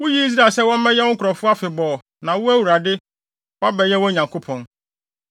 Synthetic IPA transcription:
wʊ˦ji˦i˦s̬ɾa˨sɛ˦wɔ̃˦m˦mɛ̃˦jɛ˦wɔ̃˦kʰʊ˨ɾɔ˨fʊ˦a˦fɪ˨bɔː˨ | nã˨wʊ˦æ˦wu˨ɾa˨dɪ˦ | wa˦bɛ˨jɛ˦wɔ̃˦ɲã˨ŋkʰo˦pʰɔ̃˨n

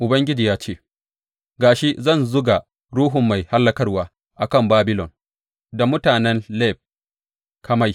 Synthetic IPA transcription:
ʔʊ˨bɐ˦ŋɡʲɪ˦d͡ʒiː˨jaː˦t͡ʃeː˦˨ | ɡaː˨ʃi˦zɐ˦˨nzʊ˦ɡa˨ | ɾuː˦ɦʊ˨mːa˨jha˦lːɐ˦kɐ˦rwaː˦ | ʔa˨kɐ˦˨mbaː˦bɪ˦lɔ˨n | da˨mʊ˦taː˨nɛ˦nlɛː˦˨b̚ | kʰa˦ma˦˨j

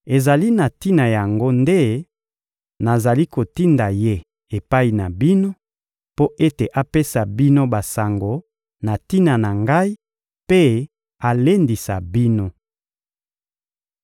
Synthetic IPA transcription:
e˨za˨li˦na˨ti˦na˨ja˨ŋɡo˦nde˦ | na˨za˨li˦ko˨ti˦nda˨je˦ | e˨pa˦i˨na˨bi˦no˦ | po˦ʔe˦te˨ʔa˦pe˦sa˨bi˦no˦ba˨sa˨ŋɡo˨ | na˨ti˦na˨na˨ŋɡa˦i˦ | pe˦ | a˨le˦ndi˨sa̰˨bi˦no˦

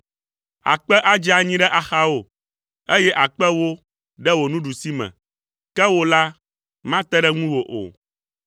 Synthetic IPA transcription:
a̰˨k͡pɛ˦ʔa˦d͡ʒi˦a˨ɲĩ˦ɖɛ˦ʔa˨xa˦o˨ | e˦jɛ˦ʔa˨k͡pɛ˦wo˦ | ɖɛ˦wo˨nũ˦ɖu˨si˦mɛ̰̃˨ | kɛ˦wo˦la˦ | mã˦t̪ɛ˦ɖɛ˦ŋũ˦wo˨ʔo̰˨

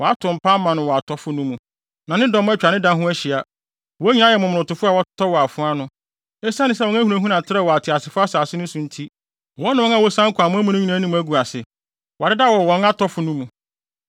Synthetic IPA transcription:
wɔ˨a˦tʰʊ̃˨m̩˨pʰa˦mã˨nʊ̃˨wɔ˨a˨tʰɔ˦fʊ˦nũ˦mũ˨ | nã˨nɪ̃˦dɔ̃˦m˦ɛ˦t͡ɕᶣa˨nɪ̃˦dã˦ɦʊ̃˦æ˦ɕi˨a˨ | wɔ˦ɲĩ˦nã˨˦jɛ˨mʊ̃˨m̃˨ʊ̃˨tʊ˨fʊ˦a˨wɔ˦tʰɔ˦wɔ˨a˨fʊ̃˦a˦nʊ̃˦ | ɛ˦sã˦nɪ̃˦s̬ɛ˦wɔ̃˨˦n˦æ˦hu˨ɾã˨ɦũ˦nã˨tʰɪ˦ɾɛ˦˨wɔ˨a˨tʰɪ˨a˨sɪ˨fʊ˦a˦saː˨sɪ˦nʊ̃˦sũ˨n̩˦tʰi˦ | wɔ̃˦nã˨wɔ̃˦na˨wɔ˦sã˦ŋ̩˦kʰʊ˨a˨mʊ̃˦æ˦mũ˦nʊ̃˦ɲĩ˨nãː˨˦nĩ˨m˨æ˦ɡu˨a˨sɪ˨ | wɔ˨ɪ˦da˦˨wɔ˨wɔ̃˨na˦tʰɔ˦fʊ˨nũ˦mũ˨

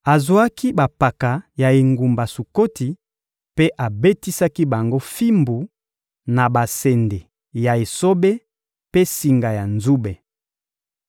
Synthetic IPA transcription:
a˨zwa˦ki˦ba˨pa˨ka˨ja˨e˨ŋɡu˨mba˨su˨ko˦ti˨ | pe˦ʔa˨be˦ti˦sa˦ki˦ba˨ŋɡo˦fi˦mbu˨ | na˨ba˨sɛ˨nde˨ | ja˨e˨so˦be˦ | pe˦si˨ŋɡa˨ja˨nzu˦be˨

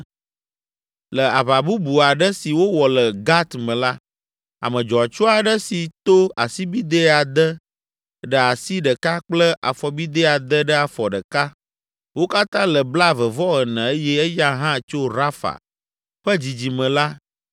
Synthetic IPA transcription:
lə˨a˨βa˨bu˦bu˨a˨ɖə˦si˨wo˦wɔ˨lə˨ɡa˦t̪mə̃˨la˦ | a̰˨mə̃˨d͡ʒɔ˨a˨t͡ʃo˦a˨ɖə˦si˨t̪o˦a̰˨si˦bi˦d̪e˦a˨d̪ə˦ | ɖə˨a˨si˦ɖə˨ka˦k͡plə˦ʔa̰˨fɔ˨bi˦d̪e˦a˨d̪ə˦ɖə˦a˨fɔ˨ɖə˨ka˦ | wo˦ka˦t̪ã˦lə˨bla˦˨və˨vɔ˦ɣə˨nɛ̃˨e˦jɛ˦ɛ˦ja˦ɦã˦˨t͡ʃo˦ɾa˦fa̰˨ | ɸə˦d͡ʑi˨d͡ʑi˨mə̃˨la˦

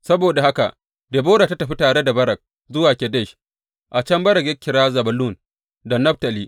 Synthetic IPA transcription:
sɐ˦boː˨da˨ha˦ka̰˨ʔ | deː˨boː˦ɽaː˨ta˦tɐ˨ɸi˦taː˨ɽe˦da˨bɐ˦ɾɐ˨k̚ | zʊ˦waː˨kʲɛ˨dɛ˦˨ʃ | ʔa˨t͡ʃɐ˦mbɐ˦ɾɐ˨kjɐ˦kʲːɪ˨ɾaː˦zɐ˨bɐ˨lu˦˨n | da˨nɐ˦ɸtɐ˨liː˦

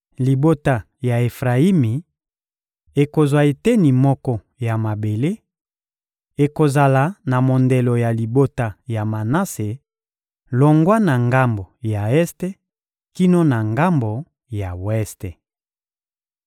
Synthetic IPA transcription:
li˨bo˦ta˨ | ja˨e˨fʁa˨i˦mi˨ | e˨ko˨zwa˨e˨te˦ni˨mɔ˦kɔ˦ | ja˨ma˨be˨le˦ | e˨ko˨za˨la˨na˨mo˨nde˨lo˨ja˨li˨bo˦ta˨ja˨ma˨na˦se˨ | lo˨ŋɡwa˦na˨ŋɡa˦mbo˨ja˨ɛ˦ste˦ | ki˦no˦na˨ŋɡa˦mbo˨ | ja˨wɛ˦ste˨

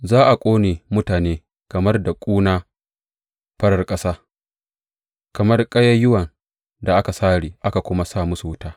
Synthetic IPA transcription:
zaː˦ʔa˨kʷʼoː˦neː˨mʊ˦taː˨neː˦ | kɐ˨mɐ˦rda˨kʷʼuː˦naː˦ | ɸɐ˦ɽɐ˨rkʼɐ˦saː˦ | kɐ˨mɐ˦rkʼɐ˦jɐ˦jʊ˦wɐ˨n | da˨ʔa˦ka˨saː˦ɽiː˨ʔa˦ka˨kʷʊ˦ma˦saː˦˨mʊ˦su˨wʊ˦taː˦

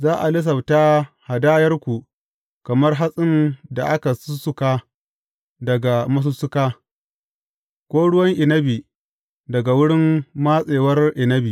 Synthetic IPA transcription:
zaː˦ʔa˨lɪ˦s̬ɐ˨bta˦ha˨daː˦jɐ˦rkʷu˨ | kɐ˨mɐ˦rɦa˦sʼɪ˦nda̰˨ʔa˦ka˨sʊ˦sʊ˦kaː˦ | dɐ˨ɡa˨mɐ˦s̬ʊ˦sʊ˦kaː˦ | kʷoː˦ɽʊ˦wɐ˦ŋʔɪ˨nɐ˦bi˨ | dɐ˨ɡa˨wʊ˦ɽɪ˦mːa˦sʼeː˨wɐ˦rʔɪ˨nɐ˦bi˨

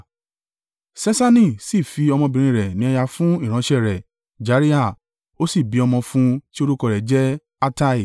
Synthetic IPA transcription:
sɛ˦sa˦nĩ˦˨si˦˨fi˧ɔ˧mɔ̃˧bĩ˧ɾ̃ĩ˧˨ɾɛ˨nĩ˨˦ɛ˧ja˧fũ˦i˦˨ɾ̃ã˨˦ʃɛ˦˨ɾɛ˨ | d͡ʒa˨˦ɾi˦a˦˨ | o˦si˦˨bi˨˦ɔ˧mɔ̃˧fũ˦ti˦o˧ɾu˦kɔ˧ɾɛ˨d͡ʒɛ˦ | a˦ta˦i˨

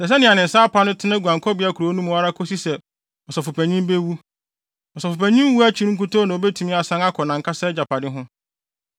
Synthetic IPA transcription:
sɛ˨s̬ɛ˦nɪ̃˨a˨nɪ̃˨n̩˨sa˦pʰa˦nʊ̃˦tʰɪ˦nã˦ɡu˨ã˨ŋkʰɔ˦bɪ˨˦a˦kʰu˨ɾo˨˦nũ˦m˦a˦ɾa˦kʰɔ˦si˦sɛ˨ | ɔ˨sɔ˨fʊ˨pʰæ˨ɲĩ˦m˦be˦wu˦ | ɔ˨sɔ˨fʊ˨pæ˨ɲĩ˦m˦wu˦æ˦t͡ɕʰi˦n˦ŋ̩˦ku˦tʰo˦nã˨o˨bɛ˦tʰũ˨mĩ˦a˨sã˦ŋa˦kʰɔ˨nã˨ŋ̩˨kʰa˦sɛ˦d͡ʑa˨pʰa˨dɪ˦ɦʊ̃˦

